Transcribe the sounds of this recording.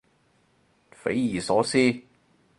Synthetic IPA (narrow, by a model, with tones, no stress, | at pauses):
fe˨˥jjiː˨sɔː˨˥siː˥